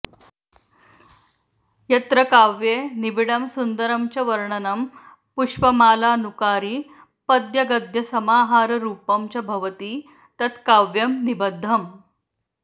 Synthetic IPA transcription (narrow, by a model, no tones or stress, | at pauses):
jɐt̪ɾɐkaʋjenibiɽɐmsund̪əɾɐmt͡ɕɐʋɐɾɳɐnɐm | puʂʋɐmaːlaːnukaːɾiː | pɐd̪jɐɡɐd̪ʱjɐsɐmaːɦaːɾɾuːpɐmt͡ɕɐbʱɐʋət̪iː | t̪ɐt̪ʰkaʋjɐmnibəd̪ʱːɐm